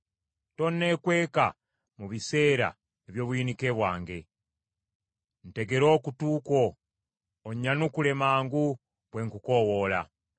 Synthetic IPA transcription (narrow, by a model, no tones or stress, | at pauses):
to̞nːe̞kwe̞ːka | muβise̞ːɾa̰ | eβjo̞ːβwinike̞βwaːŋɡe̞̰ | n̩te̞ɡe̞ɾo̞ːkutuːko̞ː | ɲːanukule̞maːŋɡu | βwe̞ŋkuko̞wo̞ːla̰